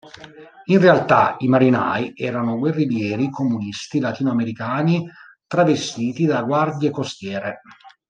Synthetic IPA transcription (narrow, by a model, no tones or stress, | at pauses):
inrealt̪a̰imaɾina̰ːiɛːɾanoɡwerːiljɛːɾikomunist̪ilat̪iːnoameɾikaːni | t̪ɾavest̪iːt̪id̪aɡward̪jekost̪jɛːɾe